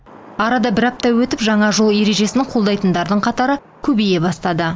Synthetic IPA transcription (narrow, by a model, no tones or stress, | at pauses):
ɑɾɑd̪ɑbɪɾɑp̚t̪ɑwɵt̪ɪpʒɑɴɑʒolˠje̞ɾe̞ʒe̞snɪqʰo̞lˠd̪ɑjt̪ənd̪ɑɾd̪əɴqʰɑt̪ɑɾə | kʲʰɵbeje̞bɑst̪ɑd̪ə